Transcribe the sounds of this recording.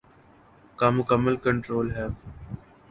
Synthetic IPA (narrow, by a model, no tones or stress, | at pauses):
kãːmʊkəmːəlkəɳʈɾoːlɦɛː